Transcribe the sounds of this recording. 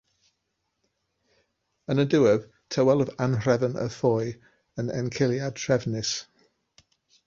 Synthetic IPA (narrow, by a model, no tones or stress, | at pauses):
ənədɪwɛv̥ | tʰəwɛlˠəvanrɛvənə̰θɔj | ənɛ̰nkʰɪlˠjad̚tʰrɛvnɪs